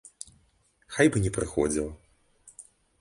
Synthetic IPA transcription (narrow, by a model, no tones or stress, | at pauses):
xajbɨnʲɛpɾɨxɔd͡zʲilˠɐ